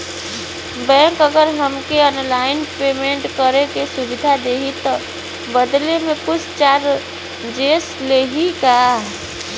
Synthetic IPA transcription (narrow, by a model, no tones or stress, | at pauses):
bɛ̃ːŋkəɡəɾɦəmkeənlaːɪnpeːmẽɳʈkəɾekesʊbɪd̪ʱad̪eːɦit̪ɔ | bəd̪lemẽkʊt͡ʃʰt͡ʃaːɾ | d͡ʒeːsleːɦikaː